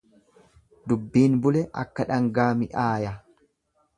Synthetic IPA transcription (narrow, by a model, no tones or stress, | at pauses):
d̪ʊbːiːnbʊlɛʔɐkːɐᶑɐŋɡaːmɪʔaːjɐ